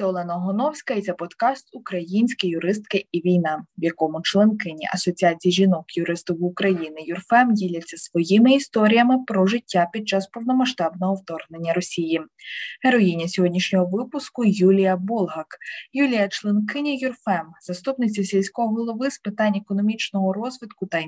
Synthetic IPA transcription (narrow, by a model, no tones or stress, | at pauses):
sʲɔlˠɛnɐɦɔnɔwsʲkɐjt̪sʲɛpɔt̪kɑst̪ʊkɾɐjinʲsʲkɪjʊɾɪs̬t̪kɪiʋʲijnɑʋjɐkɔmʊt͡ʃlˠenkɪnʲḭʔɐsɔt͡sʲiat͡sʲijiʒʲinɔkjʊɾɪst̪ʊwʊkɾɐjinɪjʊrfɛmdʲilʲɐt͡sʲːɐsʋɔjimɪist̪ɔɾʲijɐmɪpɾɔʒɪtʲːapʲid̪̚t͡ʃɑspɔwnɔmɐʃt̪ɑbnɔɦɔwt̪ɔrɦnenʲːɐɾɔsʲijiɦeɾɔjinʲːɐsʲɔɦɔdʲnʲiʃnʲɔɦɔʋɪpʊskʊjulʲijɐbɔlˠɦɐkjulʲijɐt͡ʃlˠenkɪnʲijʊrfɛmzɐst̪upnɪt͡sʲisʲilʲsʲkɔɦɔɦɔlˠɔʋɪspɪt̪ɑnʲekɔnɔmʲit͡ʃnɔɦɔɾɔzʋʲit̪kʊt̪ɐ